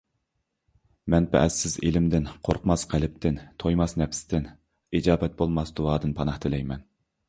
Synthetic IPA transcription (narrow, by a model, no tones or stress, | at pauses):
mɛnpʰɛ̰ʔɛsɪzḛlɪmd̪ɪnqʰoɾqʰmɑsqʰælɪp̚t̪ʰɪnt̪ʰojmɑsnɛpʰsɪ̥t̪ɪn | id͡ʒɑːbɛt̪̚bolˠmɑsd̪uwɑːd̪ɨnpʰɑnɑht̪ʰɪlɛjmɛn